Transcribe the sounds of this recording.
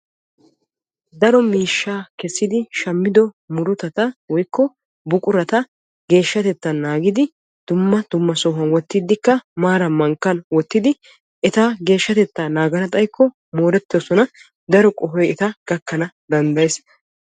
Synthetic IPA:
d̪ɐɾɔmiːʃːaːkɛsːɪd̪ɪʃɐmːɪd̪ɔ | mʊɾʊt̪ɐt̪ɐwɔjkːɔ | bʊkʼʊɾɐt̪ɐ | ɡe̞ːʃːɐt̪ɛt̪ːɐnːaːɡɪd̪ɪ | d̪̥ʊmːɐd̪̥ʊmːɐsɔɦɐnwɔt̪ːɪd̪ɪkːɐmaːɾɐmɐŋkːɐnwɔt̪ːɪd̪ɪ | ʔɛt̪aːɡe̞ːʃːɐt̪ɛt̪ːanaːɡɐnɐt̪ʼɐjkːɔ | moːɾɛt̪ːsɔnɐ | d̪ɐɾɔkʼɔɦɔjɛt̪ɐɡ̥ɐkːɐnɐ | d̪ɐnd̪ɐjes

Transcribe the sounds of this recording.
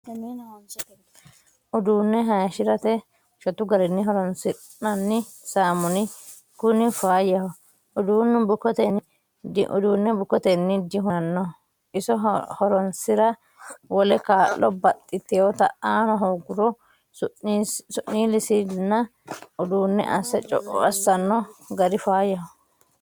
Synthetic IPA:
tɐmiːnɐhɔns | ʊd̪uːnːɛɦɐʃɪɾɐt̪ɛ | ʃɔt̪ʊɡɐɾɪnːɪɦɔɾɔnsɪ | nɐnːɪ | saːmʊnɪ | kʊnɪfaːjɐhɔ | ʊd̪uːnːʊbʊkɔt̪ɛnːɪ | d̰ʔʊ̰d̪uːnːɛbʊkɔt̪ɛnːɪd̪ɪɦʊɐnːɔ | ɪsɔhɔɾɔnsɪɾɐ | wɔlɛkaːlːɔbɐt̪ʼːɪt̪ːɪot̪ɐ̰aːnɔɦɔɡʊɾɔ | sʊʔːiːlɪsinːɐ | ʊd̪uːnːɛ̰ʔɐ̰sɐt͡ʃʼɔ̰ʔɔ̰ɐsːɐnːɔɡɐdɪfaːjɐhɔ

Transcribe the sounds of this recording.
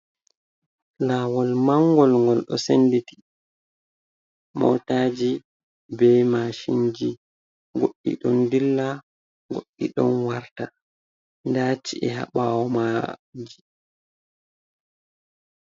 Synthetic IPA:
laːwɔlmaŋɡɔlŋɡɔlɗɔ̰senditi̥ | mɔ̰taːd͡ʒi | bɛmaʃind͡ʒi | ɡoɗːḭɗɔndilːa | ɡoɗːiɗɔnwaɾta | ndat͡ʃiɛɦa̰ɓawɔmad͡ʒi

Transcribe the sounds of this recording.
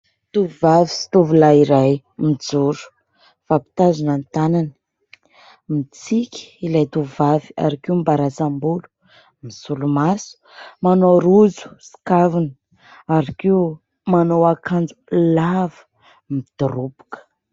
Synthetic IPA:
t̪uvavi̥si̥t̪uvulaiɾaj | mid͡zuɾu̥ | v̥api̥t̪azunant̪anani̥ | mit͡sikʲi̥ilajt̪uvavia̰ɾakiumbaɾasambulu̥ | misulumasu̥manoɾuzu̥si̥kavunə̥ | aɾakiu | manowakʰand͡zu̥lavə̥ | mid̪̥uɾubu̥kə̥

